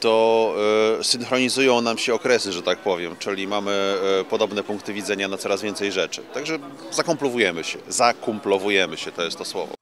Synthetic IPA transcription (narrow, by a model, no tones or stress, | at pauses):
t̪ɔ | sɘnxɾɔɲizujɔ̃w̃namɕɛɔkɾɛsɘʐɛt̪ak̚pɔvʲjɛmt͡ʂɘlʲimamɘpɔd̪ɔbnɛpuŋk̚t̪ɘvʲidzɛɲanat̪sɔɾazvʲjɛnt̪sɛjʐɛt͡ʂɘt̪aɡʐɛ | zakɔmplɔvujɛmɘɕɛ̰zakumplɔvujɛmɘɕɛt̪ɔjɛst̪ːɔswɔvɔ̰